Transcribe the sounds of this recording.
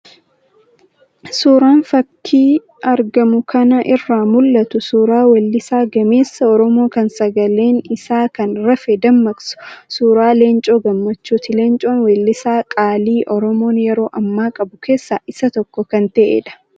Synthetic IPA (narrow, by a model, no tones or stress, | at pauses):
suːɾaːnfɐkːiː | ʔɐɾɡɐmʊkʰɐnɐʔɪrːaːmʊlːɐt̪ʊsuːɾaːwɐlːɪsaːɡɐme̞ːsːɐɔɾɔmo̞ːkɐnsɐɡɐle̞ːnɪsaːkɐnɾɐfɛd̪ɐmːɐkʼsʊ̥suːɾaːle̞ːnt͡ʃʼo̞ːɡɐmːɐt͡ʃːuːt̪ɪle̞ːnt͡ʃʼo̞ːnwɛlːɪsaːkʼaːliːʔɔɾɔmo̞ːnjɛɾo̞ːʔɐmːaːkʼɐbʊke̞ːsːaːʔɪsɐt̪ɔkːɔkɐnt̪ɐʔḛːᶑɐ̥